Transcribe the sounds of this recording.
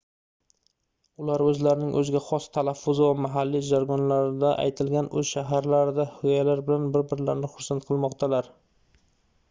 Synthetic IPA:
ʊlaɾɵzlaɾɪnɪŋʔɵzɪɡʲaχɒst̪ʰalafːʊzɪvamaɦalːid͡ʒaɾɡɒnlaɾɪd̪aʔa̰jt̪ʰɪlɡʲanɵz̥ʃaɦaɾlaɾɪd̪ahʊjalaɾbɪlanbɪɾbɪɾlaɾnɪχʊɾsant̪qʰɨlˠmɒqt̪ʰalaɾ

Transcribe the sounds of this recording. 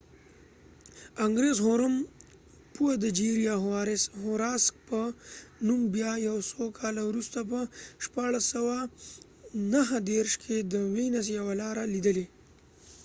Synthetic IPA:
aŋɡɾezɦoɾəm | puwad̪əd͡ʒiɾijaɦwaɾɪshoɾɑsk̚pənumbjɑjawsokʰɑlawɾust̪apəʃpɑɽasawa | naɦd̪eɾʃkʰed̪əwinas̬jawalɑɾalid̪əle

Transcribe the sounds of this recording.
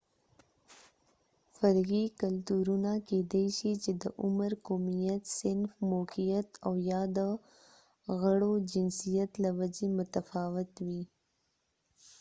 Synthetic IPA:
faɾɣikalt̪uɾunaked̪eʃit͡ʃed̪əʔʊməɾkomijat̪sɪnfmokijat̪awjɑd̪ə | ɣaɽod͡ʒɪnsijat̪lawad͡ʒemʊt̪afɑwɪt̪wi

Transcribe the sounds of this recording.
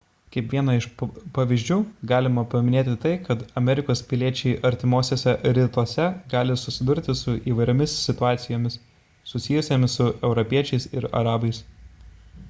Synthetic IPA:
kʲɐɛpʲʋʲiɛnɐɪʃpɐʋʲiːʒʲd͡ʒʲuːɡɑːlʲɪmɐpɐmʲɪnʲeːt̪ʲɪt̪ɐɪkɐt̪ɐmʲɛɾʲɪkoːspʲɪlʲiɛt͡ʃʲɛɪʔɐɾʲt̪ʲɪmoːsʲeːsʲɛɾʲɪt̪usʲɛɡɑːlʲɪsʊsʲɪd̪ʊɾʲt̪ʲɪsʊʔiːʋɐɪɾʲoːmʲɪssʲɪt̪ʊɑːt̪sʲɪjoːmʲɪs | sʊsʲɪjʊsʲoːmʲɪssʊɛʊɾɔpʲiɛt͡ʃʲɛɪsɪɾɐ̰ɾɑːbɐɪs

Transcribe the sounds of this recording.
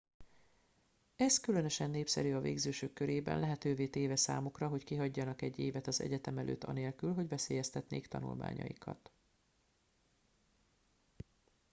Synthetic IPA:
ɛskylønø̞ʃɛnːeːpsɛ̰ɾyɒvḛːɡzøːʃøkːøɾeːbɛ̰nlɛɦɛt̪øːveːt̪eːvɛsa̰ːmukrɒɦo̞ckiɦɒɟːɒnɒkɛɟːeːvɛt̪ɒzɛ̰ɟɛt̪ɛmɛlʔø̰ːt̪ːɒ̰neːlkylɦo̞ɟvɛseːjɛst̪ɛt̪neːkt̪ɒnṵlma̰ːɲɒ̰jikʰɒ̰t̪

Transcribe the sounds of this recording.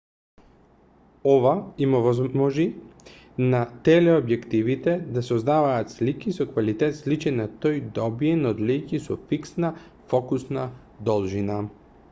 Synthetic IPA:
ɔvaimovɔzmɔʒi | nat̪ɛlɛobjɛkt̪ivit̪ɛd̪asozd̪avaːt̪slikisokvalit̪ɛt̪slit͡ʃɛnat̪ojd̪ɔbiɛnod̪likisɔfiksna | fɔkusna | d̪ɔlˠʒina

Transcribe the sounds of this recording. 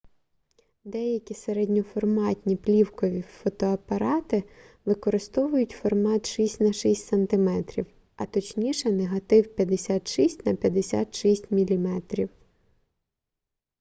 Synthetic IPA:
d̪ɛjɐkʲiseɾɛdʲnʲɔfɔrmɑtʲnʲiplʲiwkɔʋʲifɔt̪ɔɐpɐɾɑt̪ɪ | ʋɪkɔɾɪst̪ɔʋʊjʊtʲfɔrmɑt̪ʃisʲtʲnɐʃisʲtʲsɐnt̪ɪmɛt̪ɾʲḭw | ɐt̪ɔt͡ʃnʲiʃɛneɦɐt̪ɪwpʲjɐd̪esʲat̪ʃisʲtʲnɐpʲjɐd̪esʲa̰t̪ʃisʲtʲmʲilʲimɛt̪ɾʲiw

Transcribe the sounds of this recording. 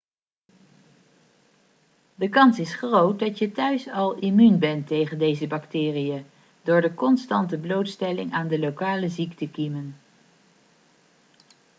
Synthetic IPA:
dəkɑnsɪsχrowt̚dɑtjətœɥsɑlˠimynbɛntejχəndejzəbɑktɪːrijə | dʊːɹdəkɔnstɑntəblowtstɛlɪŋʔaːndəlowkaːləziktəkimən

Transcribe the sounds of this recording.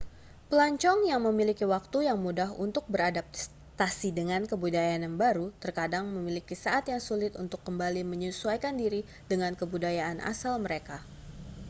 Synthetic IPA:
pəlaɲt͡ʃɔŋjaŋməmilikiwak̚t̪ujaŋmudaɦṵnt̪ʊk̚bəɾadap̚ | t̪asidəŋankəbudajananbaɾut̪ərkadaŋməmilikisaʔat̪jaŋsulɪt̪unt̪ʊkːəmbaliməɲusuajkandiɾi | dəŋankəbudajaʔːnʔa̰salməɾeka

